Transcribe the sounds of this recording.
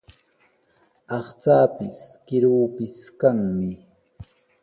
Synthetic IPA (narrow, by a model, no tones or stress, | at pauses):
ɑχt͡saːpɪskɪɾuːpɪskaŋmɪ